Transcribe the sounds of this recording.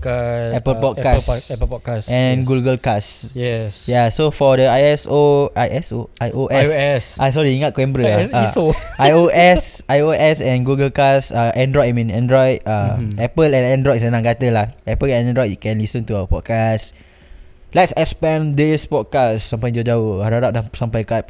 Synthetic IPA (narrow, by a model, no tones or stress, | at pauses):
kɛpəlpɔt̚kasɛəpɔkasɛ̃nɡuɡəlkasjɛsjasofɔdəajɛsoʔajʔɛsoajʔoʔɛsɛsʔasɔɹiiŋat̪̚kwɛ̃mbɾəaaoajoʔɛsajoʔɛsɛ̃nɡuɡəlkasaʔɛ̃ndɹɔjtamĩnɛ̃ndɹɔjt̚aɛpəlɛ̃nɛ̃ndɹɔjt̚sənãŋɡat̪əlahɛpəlɛ̃nɛ̃ndɹɔjt̚jukɛ̃nlisə̃nt̪uawəpɔt̚kas | lɛtsɛkspɛ̃nd̪ispɔd̚kassãmpãj̃d͡ʒod͡ʒauaɾadap̚dãsãmpakat̚